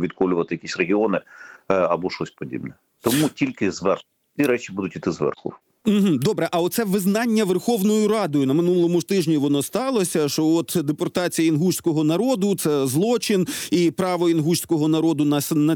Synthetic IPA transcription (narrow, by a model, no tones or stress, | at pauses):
ʋʲid̪̚kɔlʲʊʋɐt̪ɪjɐkʲisʲreɦʲiɔnɪɐbɔʃɔsʲpɔdʲḭbnɛ | t̪ɔmutʲilʲkɪzʋɛrxʲ | iɾɛt͡ʃʲibud̪ʊtʲit̪ɪzʋɛ̰rxʊ̰ | m̩ɦm̩d̪ɔbɾɛʔɐɔt̪sɛʋɪznɑnʲːɐʋerxɔʋnɔjʊɾɑd̪ɔjʊnɐmɪnulˠɔmʊt̪ɪʒnʲiʋɔnɔst̪ɑlˠɔsʲɐʃt͡ʃɔɔt̪d̪epɔrt̪ɑt͡sʲijɐinɦuʃʲsʲkɔɦɔnɐɾɔd̪ʊt̪sɛzlˠɔt͡ʃɪnipɾɑʋɔinɦuʃʲsʲkɔɦɔnɐɾɔd̪ʊnɐnɐ